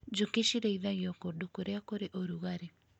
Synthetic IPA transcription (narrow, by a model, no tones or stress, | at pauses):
d͡ʒukeʃiɾeiðaɣjɔkoɗukoɾeakoɾeʔoɾuɣaɾe